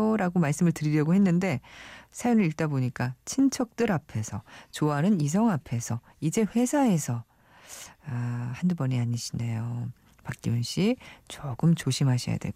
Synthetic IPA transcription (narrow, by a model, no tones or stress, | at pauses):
ɾaɡomaɭs͈ɯmɯɭtɯɾiɾjʌɡohe̞nːɯnde̞sʰajonɯɾiɭt͈aboɲik͈at͡ɕʰint͡ɕʰʌk̚t͈ɯɾapʰe̞sʰʌt͡ɕoanɯnis̬ʰʌŋapʰe̞sʰʌ | id͡ʑe̞ɸwe̞sʰae̞sʰʌ | ahandubʌɲiaɲiɕʰindejo | pak̚k͈iunɕ͈it͡ɕʌɡɯmt͡ɕoɕʰimɦaɕʰija̰dwḛɡ